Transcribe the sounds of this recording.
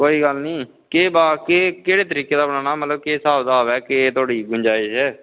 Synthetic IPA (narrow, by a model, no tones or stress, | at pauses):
koːiːɡəlnĩː | keːbaːkeːkeːɽeːt̪əɾiːkeːd̪aːbəɽaːnaːmət̪ləb̚keːsaːbd̪aːʋɛːkeːt̪ʊaːɽiːɡʊɲd͡ʒaːiʃɛː